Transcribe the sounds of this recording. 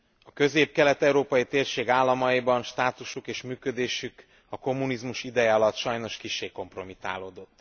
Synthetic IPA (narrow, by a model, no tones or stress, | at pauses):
ɒkø̞zeːp̚kɛlɛt̪ɛuɾoːpɒjit̪eːrʃeːɡaːlːɒmɒibɒnʃt̪aːt̪uʃukeːʃmyːkød̪eːʃyk | ɒko̞mːunizmuʃid̪ɛjɛɒlɒt̪ːʃɒjno̞ʃkiʃːeːko̞mpro̞mit̪a̰ːloːd̪o̞t̪ː